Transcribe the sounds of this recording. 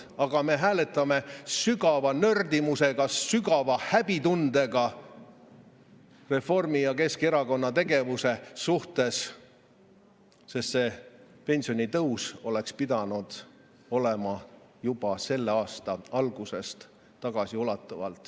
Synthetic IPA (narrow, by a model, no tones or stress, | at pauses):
ɑɡ̥ɑme̞ɦæːle̞t̪ːˑɑme̞syɡɑvɑnørd̪imuse̞ɡ̥ɑsyɡɑvɑhæb̥it̪und̪̥e̞ɡɑ | re̞fo̞rmijɑke̞ske̞ɾɑko̞nːɑt̪e̞ɡe̞vuse̞suht̪e̞s | se̞st̪se̞ | pe̞nʲsio̞nʲit̪ɤwso̞le̞kspid̪̥ɑnud̪̥ | o̞le̞mɑ | jub̥ɑse̞lːeɑːst̪ɑɑlɡ̥use̞st̪ | t̪ːɑɡ̥ɑsiolɑt̪ːˑɑvɑ̰lt̪ˑ